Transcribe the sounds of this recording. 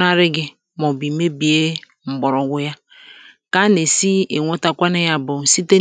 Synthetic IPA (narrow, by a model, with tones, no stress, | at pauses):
na˦ɾɪ˦ɡɪ˦ | mɔ˨bi˨me˦bi˨e˦ | ŋ͡m̩˨ɡ͡bɔ˨ɾɔ˨ɡʷʊ˨ja˦ | ka˦ne˨si˦e˨ŋʷo˦ta˦kʷa˦nɪ˦ja˦bʊ˨si˦te˦